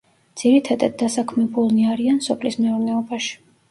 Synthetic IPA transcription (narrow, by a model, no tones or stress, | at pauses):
d̪z̥iɾit̪ʰad̪a̰d̪̚ːasakʰmɛbulˠniaɾiansɔpʰlismɛuɾnɛɔbaʃi̥